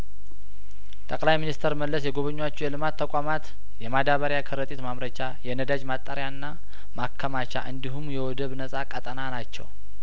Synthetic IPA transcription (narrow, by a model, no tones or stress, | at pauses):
t̪ʼəkʼlajminist̪ʰəɾməlːəsjɛɡo̞βəɲːwat͡ʃːujɛlɨmat̪ʰːəkʷʼamat̪ | jɛmad̪aβəɾjakʰɨɾət̪ʼit̪mamɾət͡ʃajɛnəd̪ad͡ʒmat̪ʼːəɾjanːa | makʰːəmat͡ʃa̰ʔɨnd̪iɦumjɛwɔd̪əβnəsʼakʼət̪ʼənanat͡ʃːɛ̰w